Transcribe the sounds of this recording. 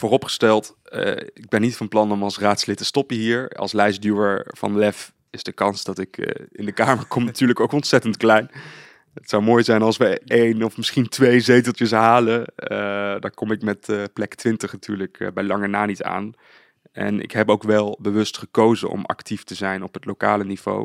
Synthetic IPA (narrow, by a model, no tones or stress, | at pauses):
voːrɔpχə̥stɛlˠt | ɪɡ̚bɛnːitfɑnplɑnɔmɑlˠsraːtslɪtəstɔpəɦiːɹɑ̰lˠslɛjsdjuəɹv̥ɑ̰nlɛf | ɪzdəkɑnsd̥ɑtɪkɪ̰ndəkaːməɹkɔmnatyːɹləkowkɔntsɛtəntklɛjn | ətsɑwmoːjzɛjnɑlˠsʋəejnɔfmɪsχintʋejzejtəlˠt͡ʃəsɦaːləədɑkɔmɪkmɛtplɛktʋɪntəχnatyːɹləkbɛjlɑŋənaːnita̰ːn | ɛ̰nɪ̰kɦɛpoʊwkʋɛlˠbəʋɵstχəkowzə̰nʔɔ̰mɑ̰ktiftəzɛjnɔpɦətlowkaːləniv̥o̰w